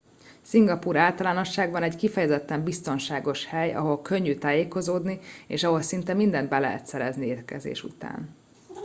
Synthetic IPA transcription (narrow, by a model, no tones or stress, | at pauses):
siŋɡɒpuːɾaːlt̪ɒlaːno̞ʃːaːɡbɒnɛɟkifɛjɛzɛt̪ːɛmbist̪o̞nʃaːɡo̞ʃhɛjɒ̰ɦo̞lkøɲːyt̪aːjeːko̞zoːd̪niḛːʃɒɦo̞lsint̪ɛmind̪ɛnd̪̚bɛlɛ̰ɦɛ̰t̪sɛɾɛznieːrkɛ̰zḛːʃṵt̪a̰ːn